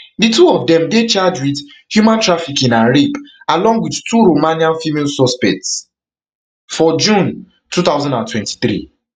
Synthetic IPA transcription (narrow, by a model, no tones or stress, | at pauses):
dituɔvdɛ̃mdet͡ʃad͡ʒwid | hjumãntɹafikĩnãnɹipalɔ̃ŋɡwidtuɾomãniãnfimelsɔspɛk̚ts | fɔd͡ʒũn | tut̪aʊzãndãntwɛ̃nti̥θɾḭ